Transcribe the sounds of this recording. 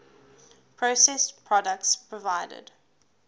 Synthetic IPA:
pʰɹosɛspʰɹɔdək̚tspʰɹɔvaɪdə̰d̥

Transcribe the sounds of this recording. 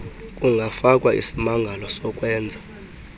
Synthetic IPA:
kʼuŋɡʱafak̬ʼwaʔḭsimaŋɡʱalɔsɔkʼwɛːnd͡zʱa

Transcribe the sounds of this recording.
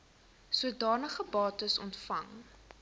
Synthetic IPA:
suədɑːnəχəbɑːtəsɔ̰ntfɐŋ

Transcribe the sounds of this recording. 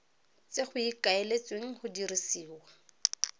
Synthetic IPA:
t͡seχʊikaelet͡sweŋ̩hʊdirisiːwa

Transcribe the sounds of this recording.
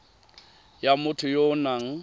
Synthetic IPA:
jamʊtʰʊjonaŋ̩

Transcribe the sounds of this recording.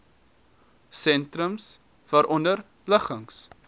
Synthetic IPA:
sɛntrəms | v̥ɐɾʔɔndər | ləχəŋs

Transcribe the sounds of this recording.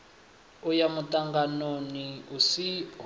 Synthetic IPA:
ujamutʼaŋɡanoniusi

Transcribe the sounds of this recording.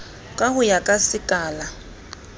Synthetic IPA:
kʼahʊjakʼasɪkʼaːla

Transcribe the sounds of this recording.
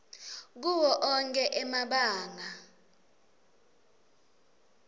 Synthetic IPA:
k̬uwɔʔɔŋkʼɛʔɛmaɓaːŋa

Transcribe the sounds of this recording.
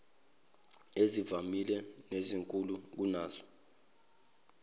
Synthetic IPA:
ezivamilɛneziŋkʼuluk̬unaːzɔ

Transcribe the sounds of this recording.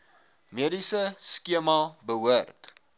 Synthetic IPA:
miədisəskiəmɐbəɦuərt

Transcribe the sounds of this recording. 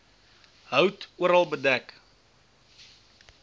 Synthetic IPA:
ɦœwtuəɾɐlˠbədæk

